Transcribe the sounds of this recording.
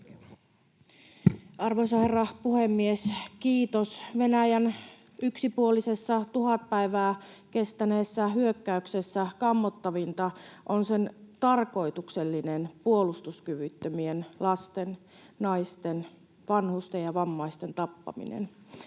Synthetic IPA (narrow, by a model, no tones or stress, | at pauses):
ɑrʋoisɑherːɑpuhemːieskiːt̪osʋenæjæn | yksipuolise̞sːɑt̪uhɑt̪̚pæiʋæːke̞st̪æneːsːæɦyøkːæykse̞sːækɑmːot̪ːɑʋint̪ɑʔonse̞nt̪ɑrko̞it̪ukselːinenpuolust̪uskyʋyt̪ːømienlɑst̪en | nɑist̪en | ʋɑnhust̪ejɑʋɑmːɑist̪ent̪ɑpːɑ̰mḭnḛn